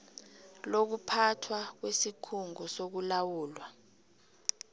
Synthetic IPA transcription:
lok̬upʰatʰwak̬wesikʰuŋɔsok̬ulawuːlwa

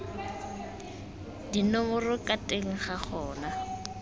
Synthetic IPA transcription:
dinʊmʊrʊkʼatʼeŋ̩χaχʰɔːna

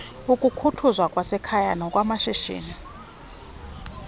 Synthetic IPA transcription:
ukʼukʰutʰuzwakʼwasɛkʰaja̰nɔkʼwamaʃiʃḭːni

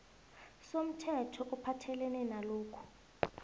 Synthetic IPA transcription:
som̩tʰɛtʰɔʔupʰatʰɛlɛnɛnaloːkʰu̥

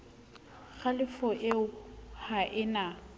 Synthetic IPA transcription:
ɣalɪfɔʔeʊhaʔɪna

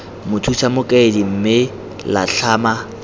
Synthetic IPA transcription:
mʊtʰusamʊkʼedim̩mɪ | la̰ɬaːma

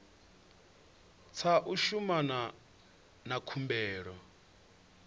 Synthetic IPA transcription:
t͡sʰaʔuʃumana | nakʰumbɛːɺɔ

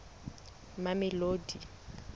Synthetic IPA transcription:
mamɛloːdi

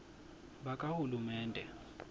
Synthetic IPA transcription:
ɓakʼahulumɛːndʱɛ

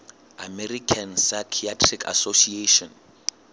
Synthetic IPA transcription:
amɛrikʰansajkʰiatʰrikʰa̰sosieʃɔ̃n

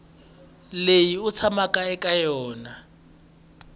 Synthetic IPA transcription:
lejiʊt͡sʰamakʼaɛkʼajɔːna

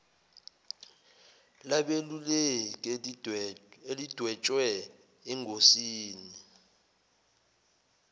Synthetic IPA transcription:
laɓelulɛkʼ | elid̥ʱwɛt͡ʃʼwɛ | ɛŋʱosiːni

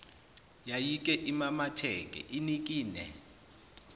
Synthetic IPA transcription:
jajik̬ʼɛʔimamatʰɛk̬ʼɛ̰ʔinik̬ʼiːnɛ̰

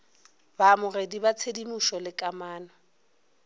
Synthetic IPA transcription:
baːmʊredibat͡sʰedimuʃɔlɪkʼamaːnɔ

